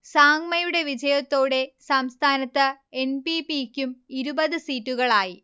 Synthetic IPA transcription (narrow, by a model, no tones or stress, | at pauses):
saːŋmɐjuɽe̞ʋid͡ʑɐjɐt̪ːo̞ːɽe̞sɐmst̪ʰaːnɐt̪ːɨenpipikʲːumiɾubɐðɨsiːtːuɣɐɭaːji